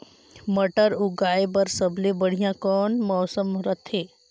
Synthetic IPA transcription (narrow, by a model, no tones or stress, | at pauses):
məʈəɾʊɡaːebəɾsəblebəɽ̤ijãkɔːnmɔːsəmɾət̪ʰɦeː